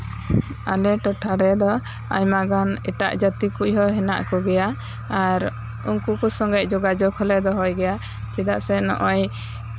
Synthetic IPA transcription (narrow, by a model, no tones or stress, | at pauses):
a̰lɛʈɔʈʰaɾɛd̪ɔ | a̰ɲmaɡanɛʈa̰ʔd͡ʒat̪ikujɦɔɦɛna̰ʔkɔɡɛja | aɾ | unkukusɔŋɡɛc̚d͡ʒɔɡad͡ʒɔkʰɔlɛd̪ɔɦɔjɡɛja | t͡ʃɛd̪aʔsɛnɔ̰ʔɔj